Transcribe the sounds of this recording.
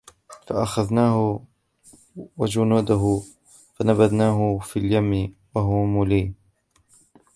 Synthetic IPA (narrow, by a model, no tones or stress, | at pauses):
faʔaxaðnaːhʊ | wad͡ʒʊnuːd̪aɦʊ | fanabad̪naːɦʊfiːljamːɪwaɦʊmʊliː